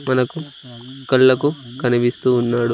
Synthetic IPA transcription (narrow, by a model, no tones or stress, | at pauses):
mɐnɐku | kɐɭːɐkukɐniʋist̪uːnːaːɽu